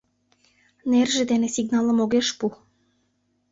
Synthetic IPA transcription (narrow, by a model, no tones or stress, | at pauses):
nerʒĕd̪enĕsiɡnɑlə̆moɣeʃpu